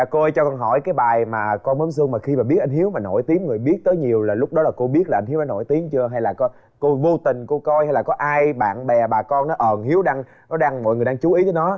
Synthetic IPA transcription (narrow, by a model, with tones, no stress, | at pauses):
a˨˩ko˧jt͡ɕɔ˧kɔ˧nɦɔ̰˧˩jkaː˨˦jɓaː˨˩jmaː˨˩kɔ˧nmə˨˦nsɨ˧əŋmaː˨˩xi˧maː˨˩ɓi˦˥ət̚ʔa˧ŋ̟ɦi˨˦əwmaː˨˩no̰˧˩˨jt̪i˨˦əŋŋɨ˨˩əjɓi˦˥ət̚t̪əː˨˦jɲi˨˩əwlaː˨˩lʊ˦˥k͡p̚ɗɔ˨˦laː˨˩ko˧ɓi˦˥ət̚laː˨˩ʔŋ̟hi˨˦wnɔ˨˦no̰˧˩˨jt̪i˨˦əŋt͡ɕɨ˧əɦa˧jlaː˨˩kɔ˨˦ | ko˧vo˧t̪ï˨˩ŋ̟ku˧˩əkɔ˧jha˧jlaː˨˩kɔ˨˦ʔaː˧jɓa̰ː˧˨nɓɛ˨˩ɓaː˨˩kɔ˧nnɔ˨˦ʔəː˨˩nhi˨˦əwɗaː˧ŋ | nɔ˨˦ɗaː˧ŋmɔ̰˧˨jŋ˨˩jɗa˧ŋt͡ɕu˨˦ʔi˨˦təː˨˦jnɔ˨˦